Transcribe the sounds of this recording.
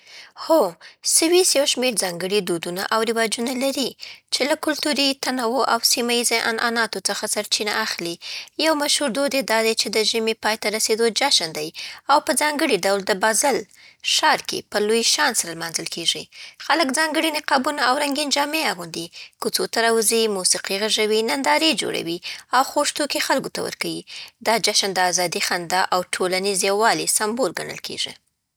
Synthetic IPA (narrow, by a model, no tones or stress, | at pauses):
xosəwisjawʃmeɾzɑŋɡəɽid̪ud̪una̰ʔawɾɪwɑd͡ʒunalaɾit͡ʃelakʊlt̪uɾit̪anawoʔawsimaizeʔa̰nʔɑnɑt̪ot͡səxasaɾt͡ʃina̰ʔaxlijawmaʃhuɾd̪od̪ed̪ɑd̪at͡ʃed̪əʒəmipɑjt̪aɾased̪od͡ʒaʃənd̪ajawpəzɑŋɡəɽiɖawld̪əbɑzɪl | ʃɑɾkḛpəlojʃɑnsaɾalmɑnzəlkʰeʐixaləkd͡zɑŋɡəɽinɪqɑbunaawɾaŋɡind͡ʒɑmeaɣund̪ikut͡sot̪aɾɑwəzimusiqiɣaʐawinand̪ɑɾed͡ʒo̰ɽa̰wiawxoʂt̪ukexalɡot̪awə̰ɾkawid̪ɑd͡ʒaʃənd̪əɑzɑd̪ixand̪ɑʔawʈʰolanizewɑlisambolɡa̰ɳə̰lkʰḛʐḭ